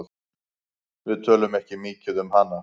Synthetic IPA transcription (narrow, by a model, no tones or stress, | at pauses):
ð | vɪðt̪ʰœːlʏmɛhcɪmiːcɪðʏmhanːa